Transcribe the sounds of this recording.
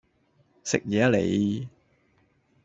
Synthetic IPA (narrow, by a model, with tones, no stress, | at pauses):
sɪ̰˨k̚jɛː˨˥lḛ˨j